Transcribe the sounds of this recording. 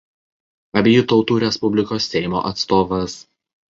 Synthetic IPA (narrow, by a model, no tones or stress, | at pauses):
ɐbʲejʊt̪ɒʊt̪uːɾʲɛspʊbʲlʲɪkoːsːʲɛɪmo̰ːʔɐt̪st̪oːʋɐs